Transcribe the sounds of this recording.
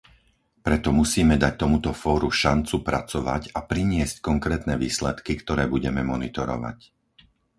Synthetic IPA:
pɾɛt̪ɔmusiːmɛd̪ac̚t̪ɔmut̪ɔfɔːɾuʃant͡supɾat͡sɔʋa̰capɾiɲɪɛsckɔŋkɾɛːt̪nɛʋiːslɛt̪kikt̪ɔɾɛːbuɟɛmɛmɔnit̪ɔɾɔ̰ʋa̰c

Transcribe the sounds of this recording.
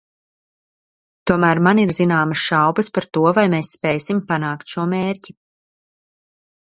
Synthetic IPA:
t̪uɔmæːɾmaniɾzinaːmɐsʃawbɐspaɾt̪uɔvajmeːsːpɛjsimpanaːkt̪ʃuɔmeːɾci

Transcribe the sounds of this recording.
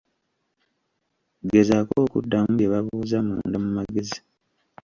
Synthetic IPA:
ɡezakoːkṵdːamujeβaβuːzamṵːndamumaɡezi

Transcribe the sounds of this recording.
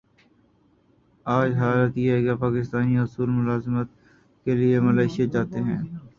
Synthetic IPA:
aːd͡ʒɦaːlət̪jɛːɡapaːkɪst̪aːniɦʊsuːlmʊlaːzmət̪̚ | keliemɐlaːɪʃijed͡ʒaːt̪eɦɛ̃ː

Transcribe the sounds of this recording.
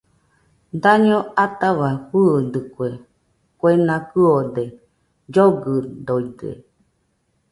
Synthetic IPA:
d̪aɲõat̪aβahud̪ɨkwe | kwenãkɨod̪e | d͡ʒoɡɨd̪oidḛ

